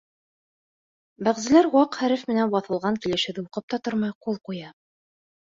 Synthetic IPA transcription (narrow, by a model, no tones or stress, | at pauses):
bæʁzɘ̆læɾwɑqhæɾɘfmɘ̆nænbɑθɤ̆lˠʁɑŋkilɘ̆ʃɘ̆ðuqɤp̚t̪ɑt̪oɾmɑjqulˠqujɑ